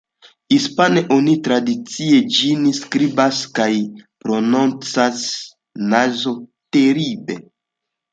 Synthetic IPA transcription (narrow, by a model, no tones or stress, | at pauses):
hispaneʔonitɾadit͡sied͡ʒinskɾibaskajpɾo̞nont͡sas | nazoteɾibe